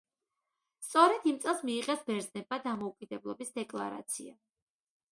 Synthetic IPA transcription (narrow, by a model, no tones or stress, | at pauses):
st̪sʼɔɾɛd̪imt̪sʼɛlˠsmiːqʼɛsbɛɾznɛb̚mad̪amɔukʼid̪ɛblˠɔbisd̪ɛkʼlˠa̰ɾa̰t̪sʰḭa